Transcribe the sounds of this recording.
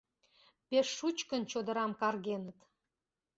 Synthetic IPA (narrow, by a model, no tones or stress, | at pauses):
peʃːut͡ɕkənt͡ɕod̪ə̆ɾɑmkɑrɣenət̪